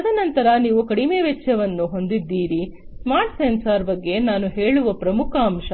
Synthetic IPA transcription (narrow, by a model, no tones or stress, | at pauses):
ɐd̪ʰʱɐnɐnt̪ɐɾɐniːʋukɐɽimeːʋet͡ʃːjɐʋɐnːuɦo̞nd̪id̪ːiːɾi | smaːɾʈsensaːɾbɐɡːe̞naːnuɦe̞ːɭuʋɐpɾɐmukʰɐːmʃɐ